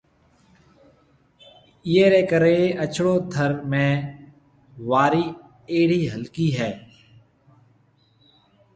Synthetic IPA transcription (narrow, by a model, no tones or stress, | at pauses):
ijeːɾeːkəɾeːət͡ʃʰɽoːd̪ʱəɾmẽː | ʋaːɾiː | eːɽiːɦəlkiːɦɛː